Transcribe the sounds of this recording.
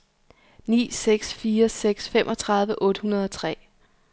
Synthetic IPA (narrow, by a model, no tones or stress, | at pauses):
nḭːseɡ̥sfiːɐseɡ̥sfemʔɒ̽t͡sʰʁɑ̈ð̞ˠʋəʔɔ̽ːɾ̥əhunɐð̞ˠɒ̽t͡sʰʁɛ̰ː